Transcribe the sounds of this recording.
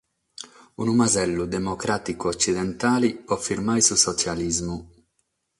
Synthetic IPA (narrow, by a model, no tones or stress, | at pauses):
ṵnumazɛlːud̪ɛmɔkɾat̪ikuɔt͡ʃːid̪ɛnt̪aːliɔfːiɾmajsusɔt͡ʃjalizmu